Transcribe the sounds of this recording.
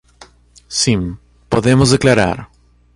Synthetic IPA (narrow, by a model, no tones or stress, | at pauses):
sĩm | poðemozðeklaɾa̰ɾ